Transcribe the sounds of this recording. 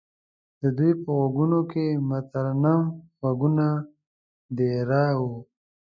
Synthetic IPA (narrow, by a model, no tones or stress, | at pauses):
d̪̥əd̪ujpəɣaɡunokemat̪aɾanaɣaɡuna | d̪eɾɑwu